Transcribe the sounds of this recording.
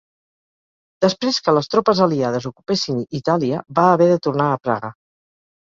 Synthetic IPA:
d̪̥əspɾeskələst̪ɾɔpəzəliað̞əzukupesinit̪aliəbaːβɛðət̪urnaːpɾa̰ɣə

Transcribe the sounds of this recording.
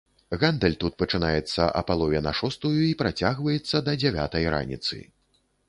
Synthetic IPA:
ɣand̪ɛlʲt̪ut̪̚pɐt͡ʂɨnajɛt̪sːɐʔɐ̰palˠɔvʲɛnɐʂɔst̪ujuipɾat͡sʲaɣvɐjɛt̪sːɐd̪ɐd͡zʲɛvʲa̰t̪ɐjɾa̰nʲḭt̪sɨ̰

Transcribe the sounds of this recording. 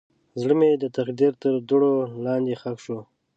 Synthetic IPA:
zɽəmed̪ət̪axd̪iɾt̪əɾd̪ʊɽolɑnd̪exakʃo

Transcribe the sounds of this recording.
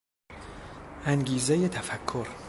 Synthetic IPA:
æŋɟiːzejet̪ʰæfækʰːoɾ

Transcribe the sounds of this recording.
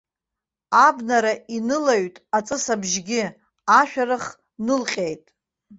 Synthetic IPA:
abnaɾaʔinɨlaɥtʼat͡sʼɨsabʒɡʲɪ | aʃᶣaɾɨχ | nɨlqʲʼejtʼ

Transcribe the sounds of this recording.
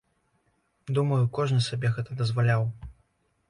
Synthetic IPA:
d̪umɐjukɔʐnɨsabʲɛɣɛt̪ɐd̪ɐzvalʲaw

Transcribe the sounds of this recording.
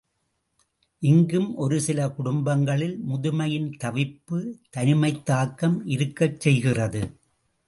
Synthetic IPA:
ʔɪŋɡɯmʔɔɾɯsɪlɐkʊɽʊmbɐŋɡɐɭɪlmʊðʊmɐjɪnt̪ɐʋɪpːɯt̪ɐnɪmɐɪt̪ːaːkːɐmɪɾɯkːɐt͡ʃt͡ʃːsɛjɣɪrɐðɯ

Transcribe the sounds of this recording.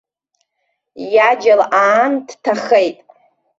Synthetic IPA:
jad͡ʒalʔaːndtʰaχejtʼ

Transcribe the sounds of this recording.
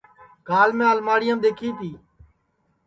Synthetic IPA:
ɡaːlmẽːaːlmaːɽɪjəːmd̪eːkʰiːt̪ʰiː

